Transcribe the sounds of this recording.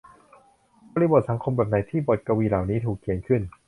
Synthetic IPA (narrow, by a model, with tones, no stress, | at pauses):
bɔː˧liː˧bo˨˩t̪̚sʰa˩˦ŋkʰo˧mbɛː˨˩p̚na˨˦jt̪ʰiː˥˩bɔ˨˩t̪̚ka˧wiː˧laː˨˩wniː˦˥t̪ʰuː˨˩kʰːi˨˩ənkʰɯ˥˩n